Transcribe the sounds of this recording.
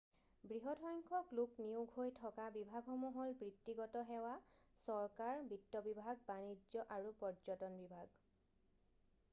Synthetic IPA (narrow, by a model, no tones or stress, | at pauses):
bɹiɦɔtʰɔjŋkʰɔklukniuɡʱɦojtʰɔkabibʱaɡʱɔmɔɦɔlbɹitːiɡɔtɔɦɛwasɔɹkaɹbitːɔbibʱaɡ̚banid͡ʒɔʔaɹupɔɹd͡ʒɔtɔnbibʱaɡ